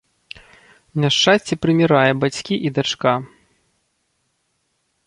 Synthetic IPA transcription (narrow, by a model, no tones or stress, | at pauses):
mʲaʂt͡ʂːasʲt͡sʲɛpɾɨmʲiɾajɛbat͡sʲkʲiʔid̪at͡ʂka